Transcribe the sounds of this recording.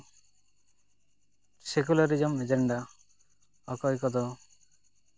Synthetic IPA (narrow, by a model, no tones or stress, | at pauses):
sek̬ulaɾid͡ʒɔmed͡ʒeɳɖa | ɔkɔjkɔd̪ɔ